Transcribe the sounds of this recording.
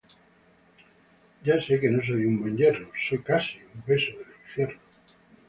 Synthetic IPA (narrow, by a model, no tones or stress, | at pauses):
ɟ͡ʝasekenos̬o̞jumbwẽɲʎeroso̞jkasiumpe̞soðeliɱfjeɾno